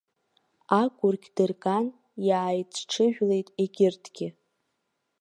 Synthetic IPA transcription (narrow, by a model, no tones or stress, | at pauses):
akʷʼʊrɡʲdɨrkʼan | jaːjt͡sʷʼʰʈ͡ʂʰɨʒᶣle̞jtʼeɡʲɪrtʰɡ̥ʲɪ